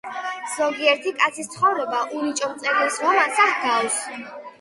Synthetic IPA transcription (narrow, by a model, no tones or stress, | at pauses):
z̥ɔɡiɛɾt̪ʰikʼat̪sʰist̪sʰχɔvɾɔbaʔunit͡ʃʼɔmt̪sʼɛɾilisʁɔmasahɡaws